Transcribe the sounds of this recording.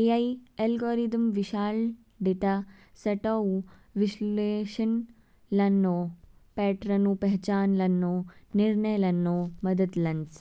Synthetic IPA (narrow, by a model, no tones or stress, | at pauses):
eaielɡoːɾid̪ɐmʋiʃaːl | ɖeʈ̪a | sɐʈou | ʋisleːʃɐn | lɐnːoːpɛːʈɾɐnũːpɐɦt͡ʃaːnlɐnːoːniɾɳɐjlɐnːoːmɐd̪ɐd̪lɐns